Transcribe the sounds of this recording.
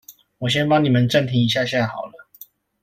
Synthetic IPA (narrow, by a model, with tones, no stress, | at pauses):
wɔ˨˩ɕ̬jɛ˦˥npɑ˥˦ŋni˨˩mə˨˦nʈ͡ʂə˥˨nt̪ʰi˧˥ŋi˨˥ɕ̬ja˥˧ɕɛ˥n˥˩xɑ˨˩ʊlə˦